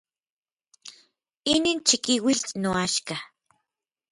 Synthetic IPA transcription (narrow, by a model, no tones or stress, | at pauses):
inint͡ʃikiwiɬnoaʃka